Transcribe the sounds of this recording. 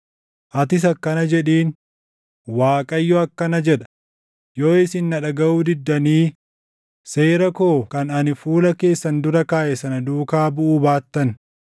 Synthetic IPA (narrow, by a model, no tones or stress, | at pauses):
ʔɐt̪ɪs̬ɐkːɐnɐd͡ʒɛᶑiːn | waːkʼɐjːɔɐkːɐnɐd͡ʒɛᶑɐ̥ | jo̞ːɪsɪnːɐᶑɐɡɐʔuːd̪ɪd̪ːɐniː | se̞ːɾɐko̞ːkɐnɐnɪfuːlɐke̞ːsːɐnd̪ʊɾɐkaːʔɛsɐnɐd̪uːkaːbʊʔuːbaːt̪ːɐn